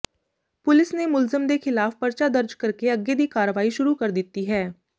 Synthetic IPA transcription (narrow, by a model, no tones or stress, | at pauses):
pʊlɪsneːmʊlzəmd̪eːkʰɪlaːfpəɾt͡ʃaːd̪əɾd͡ʒkəɾkeəɡeːd̪iːkaːɾəʋaːiːʃʊɾuːkəɾd̪ɪt̪ːiːɦɛː